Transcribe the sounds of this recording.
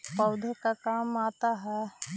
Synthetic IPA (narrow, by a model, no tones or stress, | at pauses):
pɐʊd̪ʱəkakaːmaːt̪aɦɛː